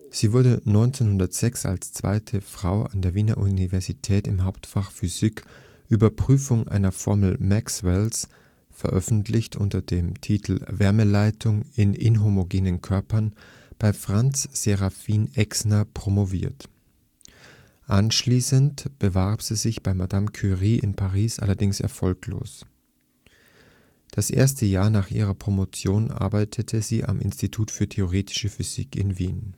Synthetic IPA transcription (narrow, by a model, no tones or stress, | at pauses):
z̥iːvʊɐdənɔʏnt͡seːnhʊndɐtz̥ɛksa̰lst͡sv̥a̰ɪtʰəfʁ̥aʊʔa̰ndeːɐviːna̰ʔunivɛɐzitʰɛːtɪmhaʊp̚tfaχfyz̥ɪk | ʔyːbɐpʁ̥yːfʊŋʔa̰ɪnɐfɔɐml̩makswɛls | fɛɐʔœfn̩tʰlɪçtʔʊ̰ntɐd̥eːmtʰiːtʰl̩vɛɐməlaɪtʰʊŋɪnɪnɦomoɡeːnənkʰœɐpɐn | b̥aɪfʁ̥ant͡sz̥eʁafiːnɛksnɐpʁ̥omovḭːɐt | ʔanʃliːsəntb̥əvaɐpz̥iːzɪçb̥aɪmadamkʰyʁiːʔɪ̰npʰaʁ̞iːsʔa̰lɐdɪŋsɛ̰ɐfɔlklo̰ːs | d̥asʔḛːɐstəjaːɐnaːχʔḭːʁɐpʁ̥omot͡sjoːnʔa̰ɐbaɪtʰətʰəziːʔa̰mʔɪ̰nstitʰuːtfyːɐtʰeoʁeːtʰɪ̥ʃəfyz̥ḭːkɪ̰nviːn